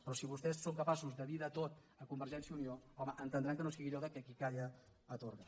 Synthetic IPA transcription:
pɾɔsiβust̪ɛsːoŋkəpasuzðəβiðət̪ot̪ | əkumbəɾʒɛnsjəunioɔməʔənt̪ənd̪ɾaŋkənosiɣiʎɔðəkɛkikajə | ət̪oɾɣə

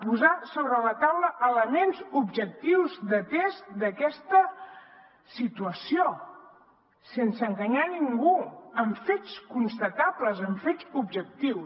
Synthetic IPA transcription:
puzasoβɾələt̪awləʔələmenzubʒək̚t̪iwzd̪ət̪est̪d̪əkɛst̪ə | sit̪uəsio | sensəŋɡəɲaniŋɡuəɱfet͡skunst̪ət̪apləzəɱfet͡subʒək̚t̪iws

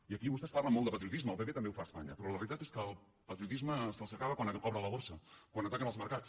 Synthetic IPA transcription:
iəkiβust̪ɛsparləmolˠd̪əpət̪ɾiut̪izməlˠpepet̪əmbeufaːspa̰ɲə̰pɾɔləβəɾit̪at̪eskəːlˠ | pət̪ɾiut̪izməsəlˠsəkaβəkwankɔβɾələβoɾsəkwanət̪akənəlˠzməɾkat͡s

